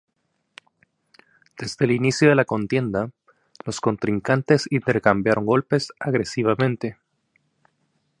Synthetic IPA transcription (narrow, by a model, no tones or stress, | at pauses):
d̪̥e̞zðe̞ːlinisjoðe̞lako̞nt̪je̞nd̪a | lo̞sko̞nt̪ɾiŋkant̪e̞sint̪e̞ɾkambjaɾo̞ŋɡo̞lpe̞saɣɾesiβamẽ̞nt̪e̞